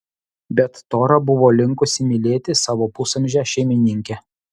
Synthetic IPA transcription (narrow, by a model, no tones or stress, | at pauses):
bʲɛt̪ːoːɾɐbʊʋoːlʲɪŋkʊsʲɪmʲɪlʲeːt̪ʲɪsɑːʋoːpʊsɐmʲʒʲæʃʲɛɪmʲɪnʲɪŋʲkʲɛ